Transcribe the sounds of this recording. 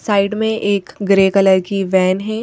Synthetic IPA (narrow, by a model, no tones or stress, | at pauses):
saːɪɖmẽʔeːkɡɾeːkələɾkiʋɛːnɦɛː